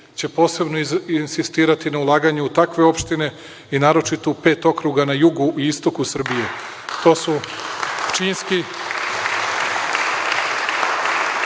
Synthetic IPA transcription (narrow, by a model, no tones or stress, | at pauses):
t͡ɕe̞po̞ːse̞bnoinsist̪iːɾat̪inaulˠaːɡaɲeut̪akʋe̞o̞pʃt̪ine̞ | inaːɾo̞t͡ʃit̪oupe̞ːt̪o̞kɾuɡanajuɡuʔiist̪o̞kusr̩bije̞ | t̪o̞ːsu | t͡ʃiːnski